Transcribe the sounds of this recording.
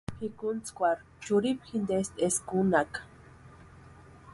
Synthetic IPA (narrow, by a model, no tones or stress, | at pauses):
hikunt͡skʷaɾ | t͡ʃuɾipxind̪est̪eskunak